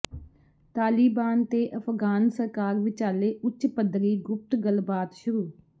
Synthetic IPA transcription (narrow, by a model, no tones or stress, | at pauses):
t̪aːliːbaːnt̪eːʔəpʰɡaːnsəɾkaːɾʋɪt͡ʃaːleːʔʊt͡ʃːpəd̪ɾiːɡʊp̚t̪ɡəlbaːt̪ʃʊɾuː